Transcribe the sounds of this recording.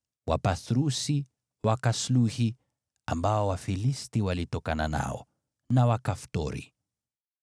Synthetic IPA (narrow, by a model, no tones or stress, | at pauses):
wapaθɾusi | wakasluhi | ambaɔwafilistiwalitɔkanana̰ɔ̰ | nawakaftɔ̰ɾḭ